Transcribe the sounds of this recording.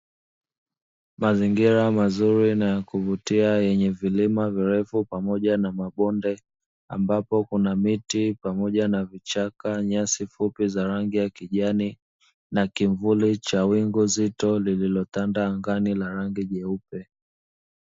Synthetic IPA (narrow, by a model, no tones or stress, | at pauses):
maziŋɡiɾamazuɾinajakuvutiajɛɲɛvilimaviɾɛfupamɔʄanamaɓɔndɛ | a̰mbapɔkunamitipamɔʄanavit͡ʃakaɲasifupizaɾaŋɡijakiʄani | nakiɱvulit͡ʃawiŋɡuzitɔlililɔtandaŋɡanilaɾaŋɡiʄɛupɛ